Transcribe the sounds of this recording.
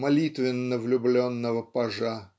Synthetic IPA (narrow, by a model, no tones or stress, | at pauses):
mɐlʲit̪vʲɪnːəvlʲʊblʲonːəvəpɐʐa